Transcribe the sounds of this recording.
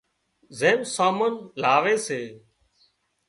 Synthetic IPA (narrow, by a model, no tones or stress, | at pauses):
zeːmsaːmənl̤aːʋeːseː